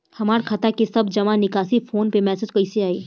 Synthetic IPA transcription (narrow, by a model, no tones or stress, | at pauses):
hɐmaːɾkʰɐt̪akesɐbd͡ʒɐmanɪkaːsifʰoːnpemɛːsed͡ʒkɐiseaːeː